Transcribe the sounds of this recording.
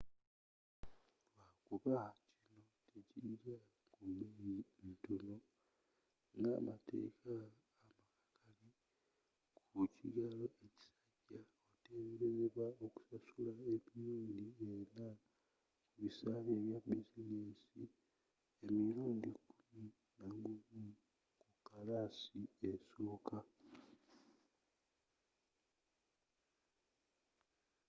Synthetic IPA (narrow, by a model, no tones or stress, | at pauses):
wakuβahacino̞teciɾa | kumbejintono̞ | ŋɡa̰ːmate̞̰ːkaː | makakʰali | kʰuciɡalo̞ʔe̞ci̥saɟa | ote̞ːmbeɾeβwaoku̥sasulae̞miɾuːndiena | kuβisaːleːβjabizineːsi | emiɾuːndikumi | naɡuβu | kukalaːsieso̞ːka